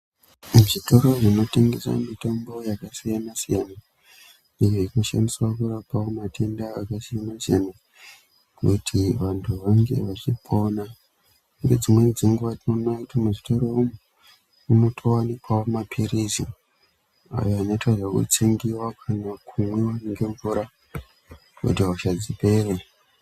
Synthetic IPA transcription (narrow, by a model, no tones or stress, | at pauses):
muʐitoɾoʐino̞te̞ŋɡesa̰mitambo̞jakasijanasijana | ijoino̞ʃa̰ndiswakurapawomatʰe̞ndaːkasijanasiana | kutʰiʋantʰuʋaŋɡe̞̰ʋat͡ʃipʰo̞na | ŋɡed͡zimwe̞d͡ziŋɡuʋatinonakutimeʐitaɾeumu | unotʰowanikwawomapʰiɾizḭ | a̰joaneitwaʐakṵt͡siŋɡiwakʰanakʰumwewaniŋɡe̞ɱvuɾa | kṵtiauʃad͡zipe̞re